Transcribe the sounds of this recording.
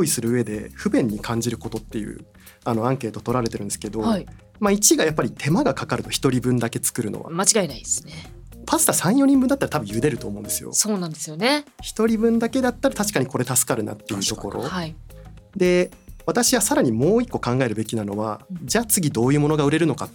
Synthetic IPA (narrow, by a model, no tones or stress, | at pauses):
oːisɨɾɯ̟ːe̞d̪e̞̰ɸɯ̟bẽ̞ɲ̟ːikʰãɲ̟d͡ʑiɾɯ̟ko̞t̪o̞t̪ːe̞jɯ̰ː | ano̞ãŋke̞ːt̪o̞t̪o̞ɾaɾe̞t̪eɾɯ̟̃ne̞sɨ̥ke̞d̪o̞hi | mait͡ɕiɡajapːaɾʲit̪ʰe̞maɡakakaɾɯ̟t̪o̞çi̥t̪o̞ɾʲibɯ̟̃nd̪ake̞t͡sɨ̥kɯ̟ɾɯ̟̰no̰βa̰mat͡ɕiɡaenaid̪esɨne | pasɨ̥t̪asãɰ̃jo̞ɲ̟ĩmbɯ̟nd̪at̪ːaɾat̪abɯ̟̃jɯ̟d̪e̞ɾɯ̟t̪o̞ːmõ̞nd̪e̞sɨjo̰soːnãnd̪esɨjoneçi̥t̪o̞ɾʲibɯ̟̃nd̪ake̞d̪at̪ːaɾat̪aɕi̥kaɲ̟iko̞ɾe̞t̪asɨ̥kaɾɯ̟na̰t̪ːe̞jɯ̟t̪o̞ko̞ɾo̞̰haid̪e̞ | βat̪aɕiβasaɾaɲ̟imo̞ːikːo̞kãŋɡae̞ɾɯ̟be̞kʲinano̞βad͡ʑaːt͡sɨɡʲid̪o̞ːjɯ̟ːmo̞no̞ɡaɯ̟ɾe̞ɾɯno̞ka